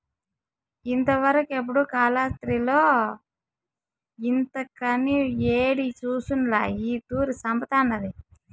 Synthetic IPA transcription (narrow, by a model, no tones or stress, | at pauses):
int̪ɐʋɐɾɐkuep̬ːuɽukaːlaːt̪ɾilo̞ː | int̪ɐkɐnieːɽit͡ʃuːsunla̰ːiːt̪uːɾisɐmbɐt̪aːnːɐd̪i